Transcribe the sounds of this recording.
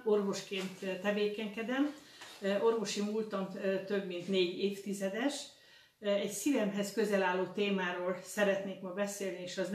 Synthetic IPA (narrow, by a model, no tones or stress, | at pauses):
o̞rvo̞ʃkeːnt̪t̪ːɛveːkɛŋkɛd̪ɛm | o̞rvo̞ʃimult̪ɒmt̪ø̞bmint̪neːɟeːft̪izɛd̪ɛʃ | ɛcsivɛmɦɛskø̞zɛlaːlːoːt̪eːmaːɾoːlsɛɾɛt̪neːkmɒbɛseːlnieːʃɒzn